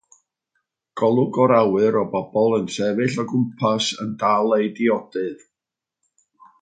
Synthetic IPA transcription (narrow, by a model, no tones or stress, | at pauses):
ɡ̥ɔlˠʊɡɔɾawɨɾɔbɔbɔlˠənsɛvɨɬɔɡʊmpʰasə̰ndaːlˠejdiɔd̥ɨð